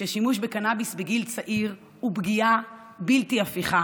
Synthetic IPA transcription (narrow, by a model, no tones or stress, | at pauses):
eʃimuʃbekanabisbeɡilt͡saʔiʁ | ubɡia | biltiafiχa